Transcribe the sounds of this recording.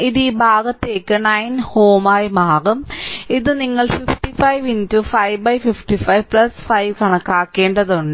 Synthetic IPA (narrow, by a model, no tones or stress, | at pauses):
iðiːbʱaːɡɐt̪ːe̞ːkːɨnɐjnhoːmaːjmaːɣumiðɨniŋːɐɭfifʈifɐjʋintufɐjʋbɐjfifʈifɐjʋpɭɐsfɐjʋkɐɳɐkːaːkːe̞ːɳɖɐðuɳɖɨ